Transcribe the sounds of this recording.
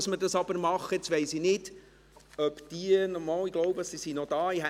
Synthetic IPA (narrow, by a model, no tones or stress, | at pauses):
smədɑsɑb̥əɾmɑχːəɛt͡sʋɛɪsinɪd̥ | œpd̥iənɔɾmɑːlɪɡ̥lɔʊbəsisinɔd̥̪ɑːihæ